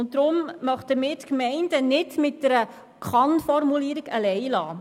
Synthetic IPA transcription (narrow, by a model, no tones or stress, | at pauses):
ʊntdɾʊmmœχtəmɪːtkmɛɪndənɪdmɪt̚d̥ɛɾə | kʰχɑnfɔrmuliːəɾiɡəlɛɪlɑː